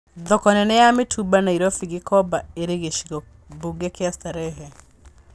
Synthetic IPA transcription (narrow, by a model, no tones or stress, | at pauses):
ðɔkɔnɛnɛjametʰubanaiɾɔfiɣikɔbaeɾeɣeʃiɣɔ | buɡɛkeastaɾɛɦɛ